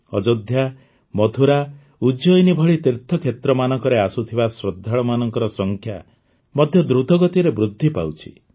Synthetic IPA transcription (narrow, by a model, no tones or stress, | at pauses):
ɔd͡ʒɔd̪ʱja | mɔt̪ʰuɾa | ud͡ʒɔjnibʱɔɭit̪iɾt̪ʰːɔkʰjet̪ɾɔmanɔŋkɔɾeasut̪ʰibasɾɔd̪ʱːaɭɔmanɔŋkɔɾɔsɔŋkʰja | mɔd̪ʱjɔd̪ɾud̪ʱɔɡɔt̪iɾebɾud̪ʱːipa̰wt͡ʃʰi̥̰